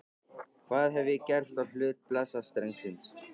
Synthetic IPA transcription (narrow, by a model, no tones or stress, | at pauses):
kʰvaːðɦɛvɪcɛɾ̥st̪awl̥ʏːt̪̚plasast̪ɾɛjŋsɪns